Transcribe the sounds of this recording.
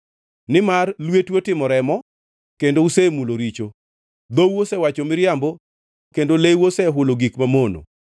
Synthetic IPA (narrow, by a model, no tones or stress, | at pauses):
nɪmarlwetwotɪmɔɾɛmɔ | kendousemuloɾit͡ʃo | d̪owosɛwat͡ʃomɪɾjambo | kendolewosɛɦʊloɡikmamono̰